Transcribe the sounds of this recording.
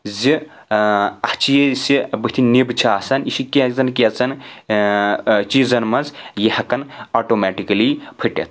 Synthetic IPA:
zi | ɐht͡ʃijesibɨht̪ʰinibɨt͡ʃʰaːsɐniʃikezɐnkʲet͡sɐn | t͡ʃizɐnmɐnzjihɐkɐnoːʈomɛʈikɐlipʰɨʈʲɐ̰t̪̚ʰ

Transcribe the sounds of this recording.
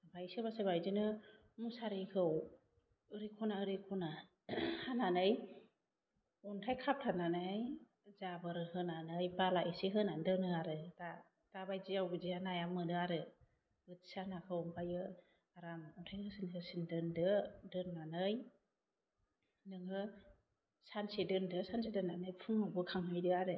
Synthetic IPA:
bʰajsibasɯbajzɯnɯ | musaɾikʰɯw | ɯɾikʰɔnaɯɾikʰɔna | hananɯj | ɔntʰajkʰap̚tʰananɯj | zabɯɾɯhɯnanɯjbalaʔisiɦɯnandɯnɯaɾɯda | d̥abajziawɡɯzianajamɯdɯaɾɯ | bɯtsanakʰɯɔmpʰajɯ | aɾamɔntʰajhɯsinɯsindɯndɯdɯnːanɯj | nɯŋɯ | sansidɯndɯsansidɯnːanɯjpʰuŋabɯkʰaŋɦɯjdɯaɾɯ

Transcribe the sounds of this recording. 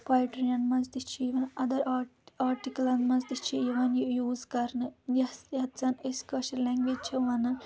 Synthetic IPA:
paːjʈɾijɐnmɐnzd̪it͡ʃʰiiʋɐnɐd̪ɐɾaaːɾʈikɐlɐnd̪mɐnzd̪it͡ʃʰijiʋɐnjijuːzkɐɾnɨnjɐst̪jɐt̪t͡sɐneskɐʃɐɾlɛŋɡʋed͡ʒt͡ʃʰɐʋɐnɐn

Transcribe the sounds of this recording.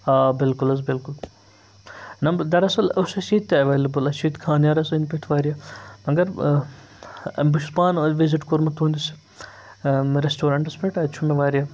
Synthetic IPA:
aːbɪlkulɐzbɪlkʊl | nɐmd̪ɐɾɐsɐlɐsɐsiːt̪ːeɐʋeːlɐbɐlɐt͡ʃʰiːt̪kʰaːnjaːɾɐsɐinpʲet̪ʰʋaːɾjaːmɐɡɐɾ | buʃuspaːnʋiziʈkoɾmɐt̪ũːnd̪is | ɾesʈoːɾaɳʈɐspeʈɐt͡ʃʰumeʋaːɾijaː

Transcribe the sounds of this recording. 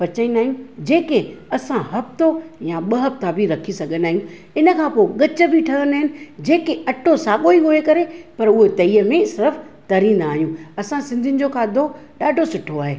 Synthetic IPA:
pɐt͡ɕəĩːnd̪aːɦijĩd͡ʑeːkeɐsãɦɐft̪ojaɓɐɦɐpt̪abʱiɾɐkʰisɐɡʱənaːɦijũ | ɪnə̆kʰãːpoɠɐt͡ɕə̆bʱiʈʰɐɾənaːɦɪnɪ̆d͡ʑeːkeɐʈʰosaːɠoiɦoekɐɾepɐɾʊɦet̪ɐiːəmẽsɪɾəf | t̪ɐɾĩn̆d̪aːɦijũɐsãsɪ̃nd̪ʱiɪnɪ̆d͡ʑokʰaːd̪ʱoɗaːɖʱosɪʈʰːoaːɦeː

